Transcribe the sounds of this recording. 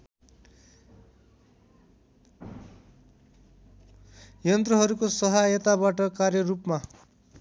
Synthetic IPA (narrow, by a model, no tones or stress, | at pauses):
jʌnt̪rʌɦʌɾukosʌɦajʌt̪abaʈʌkarjʌrupma